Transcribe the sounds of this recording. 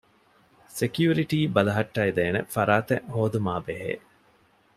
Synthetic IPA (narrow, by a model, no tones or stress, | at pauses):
sekjuːɾiʈiːbɐlɐɦɐʈːɐid̪eːnefɐɾaːt̪eʔhoːd̪umaːbeɦḛː